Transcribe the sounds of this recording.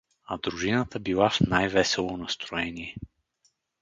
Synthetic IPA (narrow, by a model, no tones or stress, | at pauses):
ɐd̪ɾuʒinət̪əbilˠafnajvɛsɛlˠonɐst̪ɾoɛniɛ